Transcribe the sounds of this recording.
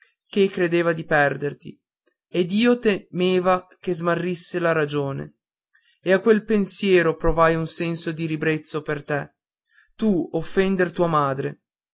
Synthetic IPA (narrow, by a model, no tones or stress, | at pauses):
k̟ekːɾed̪eːvad̪ipɛrd̪ert̪ḭ | ed̪iːot̪emeːvakezmarːisːelaɾad͡ʒoːnḛ | eakːwelpensjɛːɾopɾovajunsɛnsod̪iɾibɾet̪sːopert̪ɛ | t̪uofːɛnd̪ert̪uːamaːd̪ɾe